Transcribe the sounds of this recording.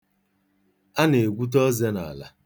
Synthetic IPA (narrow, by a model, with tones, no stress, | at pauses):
a˦ne˨ɡʷu˦t̬ɔ˦ze˦na̰˨la̰˨